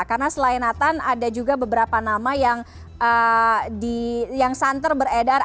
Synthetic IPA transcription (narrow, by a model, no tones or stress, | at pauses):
karnasəlainat̪anadad͡ʒuɡabəbəɾapanamajaŋ | ədijaŋsant̪ərbəredar